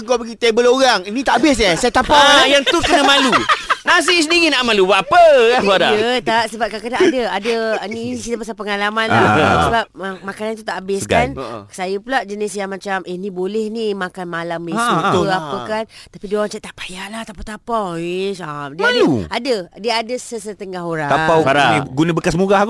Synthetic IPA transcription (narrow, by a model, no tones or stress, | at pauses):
əŋkapəɡit̪ebəloɾaŋinĩt̪aʔabɪs̬jasajat̪apajaŋt̪ukənəmãlunas̬is̬əndiɣinaʔmãlubaapəwadaət̪asəbap̚kakədaadəadəninisidapasalpəŋalamanasəbap̚makanant̪ut̪aʔːbɪskaansajəpulaʔd͡ʒənɪsjaŋmat͡ʃamənĩbolɛhnimakanmalamisut̪aəkant̪apidioɾaŋt͡ʃaʔt̪aʔpḁjaʔlaht̪apat̪apawesadiadəuadədiəadəsəsət̪əŋaɦoɾat̪aawaɾaiɡunə̃bəkasmuɡah